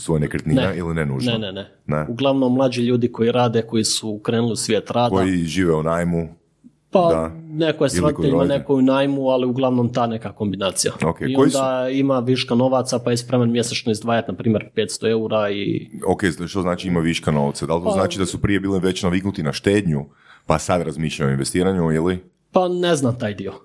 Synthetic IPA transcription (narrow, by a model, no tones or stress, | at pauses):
sʋojnekɾt̪nineailinenṵʒnenene | neuɡlˠaʋnomːlˠaːd͡ʒiʎuːd̪iko̞jiɾaːd̪eko̞jisukɾe̞ːnulˠiusʋʲjeːt̪ɾaːd̪kojiʒiːʋeunaːjmu | pad̪anekojesɾod̪ieʎʲimanekojunaːjmualiuɡlˠaʋnomt̪aːne̞kako̞mbinaːt̪sija̰okeioid̪aimaʋiʃkano̞ʋat̪sapajespɾe̞manmje̞sat͡ʃnoizd̪ʋaːjat̪napɾiːmje̞ɾpe̞ːt̪st̪o̞e̞uɾaḭokeʃt̪oznaːt͡ʃiimaʋiʃkano̞̰ʋt̪sad̪alit̪onaːt͡ʃid̪asupɾije̞biːliʋe̞t͡ɕnaʋiknut̪inaʃt̪e̞ːd̪ɲu | pasad̪ɾazmiːʃʎajoinʋest̪iːɾaɲuili | pane̞znamt̪aːjd̪io̞